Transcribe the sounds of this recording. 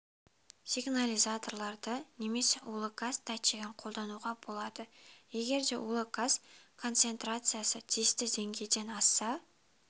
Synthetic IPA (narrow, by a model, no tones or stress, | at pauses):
sʲiɡnalʲizat̪o̞rlˠɑɾd̪əne̞me̞sewolˠəkast̪ʰɑjt̪ʃeɡʲɪɴqʰo̞lˠd̪ɑnuʁɑbo̞lˠɑd̪əje̞ɡʲe̞ɾd̪e̞wolˠəkaskʰo̞nt̪se̞nt̪rat̪sɨjasət̪ʲʰist̪ɪze̞ŋɡʲe̞jd̪e̞nɑsːɑ